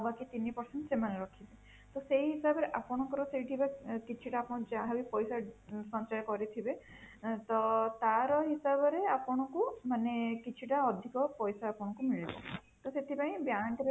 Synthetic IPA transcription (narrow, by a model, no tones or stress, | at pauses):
bakit̪inipɔɾseɳʈsemaneɾɔkʰibe | t̪ɔsejɦisabɔɾeʔapɔɽ̃ɔ̃ŋkɔɾɔsejʈʰibakit͡ʃʰiʈaːpɔɽ̃ɔ̃d͡ʒaɦaipɔjsasɔ̃nt͡ʃajɔkɔɾit̪ʰibe | t̪ɔt̪aɾɔɦisabɔɾeapɔɽ̃ɔkumanekit͡ʃʰiʈaɔd̪ʱikɔpɔjsaapɔɽ̃ɔ̃ŋkumiɭibɔ̰ | t̪ɔset̪ʰipaĩbjaʈiɾ